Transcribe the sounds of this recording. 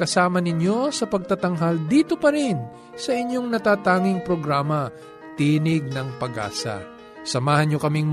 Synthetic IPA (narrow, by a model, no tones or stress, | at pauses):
kɐsaːmɐnɪɲjo̞sɐpɐɡ̚t̪ɐt̪ɐŋɦald̪iːt̪opɐɾɪn | sɐʔɪɲjo̞ŋnɐt̪aːt̪aːŋɪŋpɾo̞ɡɾaːmɐ | t̪iːnɪɡ̚nɐŋpɐɡa̰ːsɐ̰ | sɐmaːhɐnɲjo̞kɐmiŋ